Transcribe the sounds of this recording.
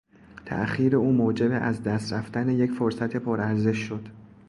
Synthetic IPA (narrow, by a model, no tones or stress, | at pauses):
t̪ʰæ̰ʔxiːɾe̞uːmoːd͡ʒe̞beʔæzd̪æst̪ɾæft̪æne̞je̞cfoɾsæt̪ʰe̞pʰoɾæɾze̞ʃːo̞d̪̥